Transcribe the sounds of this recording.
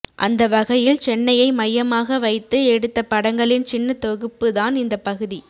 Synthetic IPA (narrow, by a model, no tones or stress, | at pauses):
ʔɐ̰nd̪ɐʋɐɣɐjɪlt͡ʃɛnːɐjɐɪmɐjːɐmaːɣɐʋɐɪt̪ːɯɛɽɯt̪ːɐpːɐɽɐŋɡɐɭɪnt͡ʃɪnːɐt̪ɔɣɯpːɯðaːnɪnd̪ɐpɐɣɯði